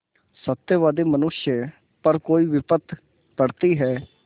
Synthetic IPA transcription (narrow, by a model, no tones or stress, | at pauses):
sət̪ːjəʋaːd̪eːmənʊʃjə | pəɾkoːiːʋɪpət̪ʰ | pəɽt̪iːɦɛː